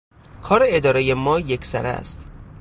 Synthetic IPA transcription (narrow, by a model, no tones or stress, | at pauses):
kʰɒːɾeed̪ɒːɾejemɒːjecʰsæ̰ɾæ̰st̪